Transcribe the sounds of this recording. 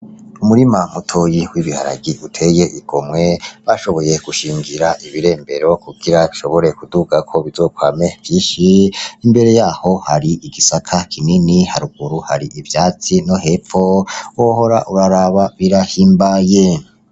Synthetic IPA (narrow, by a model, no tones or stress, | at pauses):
umuɾimam̥utʰojiwiβiha̰ɾa̰ɡiʔutʰe̞je̞ʔiɡ̥o̞mŋe̞βaʃo̞βo̞je̞ɡ̥uʃiːŋɡiɾaʔiβiɾe̞ːmbe̞ɾo̞kuɡiɾaiʃo̞βo̞ɾe̞kuduɡakʰo̞βizo̞kwaːmevjiːʃiimbe̞ɾe̞jaːho̞haɾiʔiɡisakʰakʰininihaɾuɡ̥uɾuha̰ɾiʔivjaːt͡sino̞ɦe̞fo̞woho̞ɾaʔuɾaɾaβaβiɾahiːmbaje